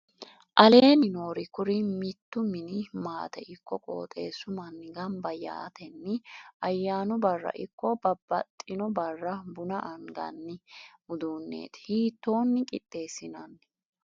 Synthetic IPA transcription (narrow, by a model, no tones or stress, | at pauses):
ʔɐle̞ːnɪno̞ːɾɪkʊɾɪmɪt̪ːʊmɪnɪmaːt̪ɛʔɪkːɔkʼo̞̰ːt̪ʼe̞̰ːsʊmɐnːɪɡɐmbɐja̰ːt̪ʰɛnːɪʔɐjːaːnʊbɐrːɐ̰ʔɪkːɔbɐbːɐt̪ʼːɪnɔbɐrːɐbʊnɐʔɐŋɡɐ̰nːɪmʊd̪uːnːe̞̰ːt̪hiːt̪ːo̞ːnːɪkʼɪt̪ʼːe̞ːsɪnɐnː